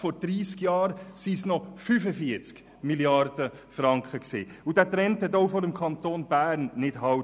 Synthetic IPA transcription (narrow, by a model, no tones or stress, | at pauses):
fɔɾd̥ɾiːskjɑːɾsiːsnɔfyfəfiət͡sk | miljɑɾd̥ə | fɾɑŋkχəksḭːudæːt̪ɾɛnthɛtoʊfɔɾəmkʰχɑnt̪oːnb̥æːɾnːɪd̥ɦɑ